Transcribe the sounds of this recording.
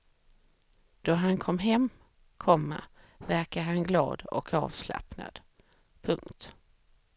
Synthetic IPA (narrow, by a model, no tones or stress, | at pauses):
d̪̥ɔɦankʰɔmːɦɛmː | kʰɔmːa̰ | væɾkaɦanɡlɑ̰ːd̪ɔ̰kʰɑ̰ːvsla̰pna̰d̪̥ | pʰɵŋkt̪